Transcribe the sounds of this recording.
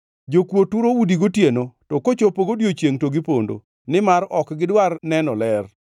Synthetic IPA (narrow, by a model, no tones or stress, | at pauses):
d͡ʒokwotuɾoudiɡotjenotɔkot͡ʃopoɡodjot͡ʃjeŋtoɡɪpo̰ndo̰ | nɪmaɾɔkɡɪdwarnɛnɔlɛr